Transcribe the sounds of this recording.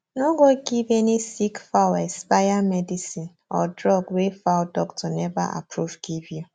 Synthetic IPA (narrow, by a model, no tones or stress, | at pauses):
noɡoɡivenisikfawɛspajamɛdisin | ɔ̰dɾɔɡwefawdɔktʰɔnɛva̰ʔa̰pʰɾuvɡivju